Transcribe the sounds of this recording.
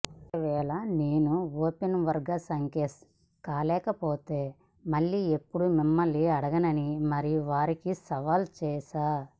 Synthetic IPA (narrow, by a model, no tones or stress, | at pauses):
ɔk̪ɐʋɛːɭɐne̞ːnuoːpenʋɐɾɡɐsɐŋkes | kaːlɛːkɐpoːt̪e̞ː | mɐɭːiepːuɽumimːɐlːiɐɽɐɡɐnɐnimɐɾijuʋaːɾikisɐʋaːlt͡ʃɛːʃaː